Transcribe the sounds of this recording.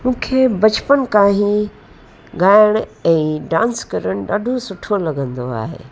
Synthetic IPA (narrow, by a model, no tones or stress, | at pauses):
mũːkʰeːbɐt͡ɕpənkaːɦĩ | ɡaːɪəɽ̃ɛ̃ːɖãːnskɐɾəɽ̃ɗa̰ːɖʱosʊʈʰolɐɡə̃nd̪oa̰ːɦḛː